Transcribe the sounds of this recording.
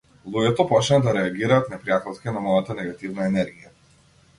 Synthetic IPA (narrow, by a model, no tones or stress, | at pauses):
lˠuɡʲɛt̪ɔpɔt͡ʃnad̪aɾɛaɡʲiɾaːt̪nɛpɾijat̪ɛlˠskʲinamɔjat̪anɛɡat̪ivnaɛnɛɾɡʲija